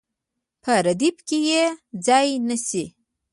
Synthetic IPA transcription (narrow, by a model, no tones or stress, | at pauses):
pʰəɾad̪ibkejed͡zɑjnasi